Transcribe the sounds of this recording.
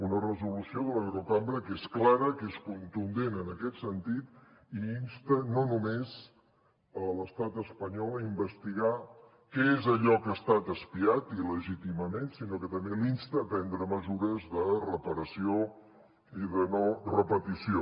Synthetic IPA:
unərəzulusioðələɣɾok̪ambɾəkesklaɾəkeskunt̪und̪enənəkɛt̪sənt̪it̪ | iinst̪ənonumez | ələst̪at̪əspəɲɔlˠəimbəst̪iɣa | kɛezəʎɔkəːst̪at̪əspiat̪iləʒit̪iməmensinokət̪əmbelinst̪əːpɛnd̪ɾəməzuɾəzðərəpəɾəsio | iðənorəpət̪isio

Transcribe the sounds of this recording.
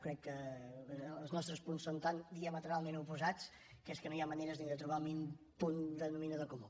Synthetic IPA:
kɾɛkːəː | lˠznɔst̪ɾəspunssːont̪and̪iəmət̪əɾalˠmẽnupuzat͡s | keskənojaməneɾəzðniðət̪ɾuβamin | pund̪ənuminəðəkumu

